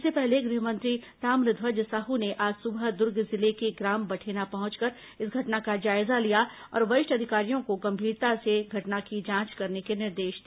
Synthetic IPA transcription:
ssepɛɦleɡɾɪɦəmɐ̃nt̪ɾit̪aːmɾɪd̪ʱʋəd͡ʒsaɦuneʔaːd͡ʒsʊbd̪ʊɾɡzɪlekeɡɾaːmbɐʈʰeːnapɐɦʊ̃t͡ʃkɐɾ | ɪsɡʱɐʈnakad͡ʒaːɪzalijaɔ̰ːɾʋɐɪʃʈɐd̪ʱɪkaːɾijõkoɡɐ̃mbʱiːɾt̪aseɡʱɐʈnakid͡ʒãːt͡ʃkɐɾnekenɪɾd̪eːʃd̪i

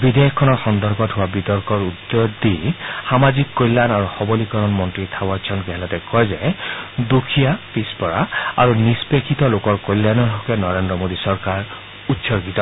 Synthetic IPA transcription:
bidɛɔkkʰːɔnɔɹxɔndɔɹkɔtɦʊwabitɔɹkɔɹutːod̪ixamazikːojlanaɹuxɔbɔlikɔɹɔnmɔntɹitʰabat͡ʃʰɔnkɛɦɛlatɛkɔjzɛdukʰijapispɔɹaa̰ɹunispekʰitɔlokɔɹkojlːanɔɦɔkɛnɔɹendɹɔmodisɔɹkaɹ | utːsɔɹɡitɔ

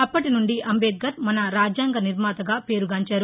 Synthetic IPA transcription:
ɐpːɐʈinuɳɖiɐmbeːt̪̚ɡɐt̪̚mɐnɐɾaːd͡ʒjaːŋɡɐniɾmaːt̪ɐɡaːpe̞ːɾuɡaːɲt͡ʃaːɾu

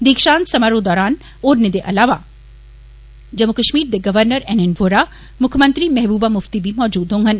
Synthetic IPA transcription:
d̪iːkʃãːnsɐmaɾod̪ɔːɾaːn | oːɾned̪eʔɐlaːʋa | d͡ʑɐmːukəʃmiːɾd̪eɡɐʋəɾnəɾɛːnenʋoːɾa | mʊkʰjmɐ̃nt̪ɾimɛɦbuːbamʊft̪ibʱimɔːd͡ʑuːd̪ɦõːŋɡən

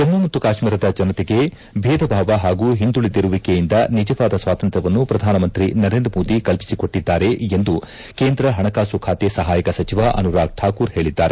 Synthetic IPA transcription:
t̪ɐmːumɐt̪ːukaːʃmiːɾɐd̪ɐd͡ʒɐnɐt̪ɛɡe̞ | bʱeːd̪ɐbʱaːʋɐɦaːɡuːɦind̪uɭid̪iɾuʋikejind̪ɐnid͡ʒɐʋaːd̪ɐsʋaːt̪ɐnt̪ɾɐʋɐnːupɾɐd̪ʱaːnɐmɐnt̪ɾinɐɾe̞ːnd̪ɾɐmoːd̪ikɐlpi̥siko̞ʈːid̪ːaːɾe̞end̪u | keːnd̪ɾɐɦɐɳɐkaːsukʰaːt̪esɐɦaːjɐkɐsɐt͡ʃiʋaʔɐ̰nuɾaːɡ̚ʈʰaːkuːɾɦe̞ːɭid̪ːaːɾe

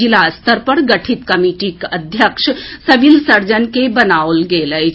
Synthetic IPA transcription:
ilast̪ʰəɾpɐɾɡɐʈʰit̪kɐmiːʈikɐd̪ʱjəkʃsɐbilsɐɾd͡ʒənkebɐnaːlɡeːlə

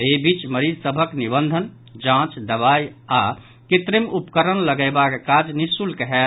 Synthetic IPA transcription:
ebit͡ʃməɾid͡ʒsəbʱəknibənd̪ʱən | d͡ʒãt͡ʃd̪əβaja | kit̪ɾimupkəɾənləɡəɪbakekad͡ʒnisulkəɦe

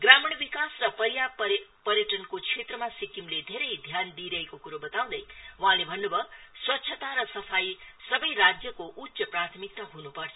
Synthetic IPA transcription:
ɡramʌɽ̃bikasrʌpʌɾjaʌpʌɾjʌʈʌnkot͡sʰet̪rʌmasikimled̪ʱeɾʌjd̪ʱjand̪iɾʌɦekokuɾobʌt̪aw̃d̪ʌjwaɦãlebʱʌnːubʱʌswʌtːɕʰʌt̪aɾʌsʌpʰajsʌbʌjrad͡zjʌkoʔut̪ːsʌprat̪ʰʌmik̚t̪aɦunupʌrt͡sʰʌ

